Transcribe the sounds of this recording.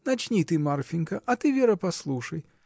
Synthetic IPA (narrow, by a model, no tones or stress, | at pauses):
nat͡ʃnʲit̪ɨmarfʲinkɐʔɐt̪ɨvʲɛɾɐpaslˠuʂɐj